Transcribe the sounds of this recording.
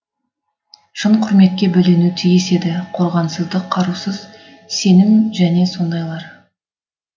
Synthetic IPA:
ʃəɴqʰʊɾme̞t̪̚kʲe̞bɵlenut̪ʰijɪse̞d̪ɪqʰo̞ɾʁɑnsəzd̪əqʰːɑɾusəz | se̞nɪmʒæne̞so̞nd̪ɑjlˠɑɾ

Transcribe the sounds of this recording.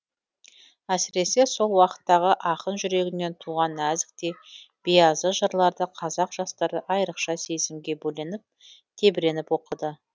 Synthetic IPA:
æsɪɾe̞se̞so̞lˠwɑqə̥t̪ːɑʁəʔɑqənʒʏɾe̞ɡʲɪnːe̞nt̪ʰuʁɑnæzɪk̚t̪e̞b̥ijɑzəʒəɾlˠɑɾd̪əqʰɑzɑqʒ̥ɑst̪ɑɾəʔɑjɾəqʃɑse̞zɪmɡʲe̞bɵlenɪp̚ | t̪ʰe̞bɪɾe̞nɪpwo̞qəd̪ə

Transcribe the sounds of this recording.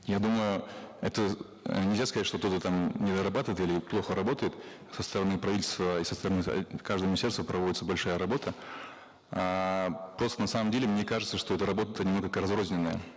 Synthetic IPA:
jad̪uməjʊɛt̪ə | nʲɪlʲzʲaskɐzatʲʂt̪okt̪ot̪ət̪amnʲɪd̪əɾɐbat̪ɨvəɪt̪ilʲɪplˠo̞xəɾɐbo̞t̪əjɪt̪ | səst̪əɾɐnɨpɾɐvitʲɪlʲst̪vəisəst̪əɾɐnɨ̰kaʐd̪əjmɪnʲɪsʲe̞rst̪vəpɾɐvo̞dʲɪt̪səbɐlʲʂajəɾɐbo̞t̪ə | apɾo̞st̪ənɐsaməmdʲelʲɪmnʲekaʐɨt̪səʂt̪o̞ɛt̪əɾɐbo̞t̪ət̪ənʲɪmnokəkəɾɐzɾozʲnʲɪnːəjə̰

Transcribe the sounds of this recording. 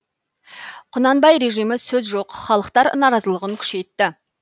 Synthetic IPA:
qʰʊnɑnbɑjɾe̞ʒijmɪsɵzʒoqχɑlˠəqt̪ɑɾnɑɾɑzəlˠəʁəŋkʲʰʏ̥ʃe̞jt̪ːɪ

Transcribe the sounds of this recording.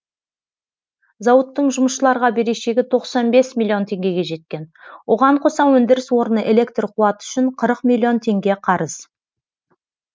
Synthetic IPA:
zɑwət̪ːəɴʒʊməʃəlˠɑɾʁɑbe̞ɾe̞ʃe̞ɡʲɪt̪ʰo̞qsɑnbe̞smʲilʲːio̞nt̪ʰe̞ŋɡʲe̞ɡʲe̞ʒe̞t̪̚kʲe̞nwo̞ʁɑɴqʰo̞sɑwɵnd̪ɪɾɪswo̞ɾənəʔe̞le̞k̚t̪rqʰuɑt̪əʏ̥ʃɪɴqʰəɾəqmilʲːio̞nt̪ʰe̞ŋɡʲe̞qʰɑɾəz̥

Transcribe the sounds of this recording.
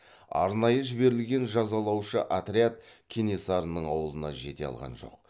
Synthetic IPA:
ɑ̰ɾnɑjəʒɪbe̞ɾɪlɡʲe̞nʒɑzɑlˠɑwʃəʔat̪ɾʲiat̪̚kʲʰinesaɾnːəɴɑwəlˠənɑʒe̞t̪e̞̰ɑ̰lˠʁɑ̰nʒo̞̰q̚

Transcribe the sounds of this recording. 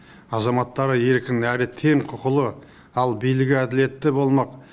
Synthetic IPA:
ɑzɑmɑt̪ːɑɾəje̞ɾkʲɪnæɾɪt̪ʰe̞ɴqʰʊqəlˠə | ɑlˠbijlɪɡʲɪæd̪ɪle̞t̪ːɪbo̞lˠmɑq

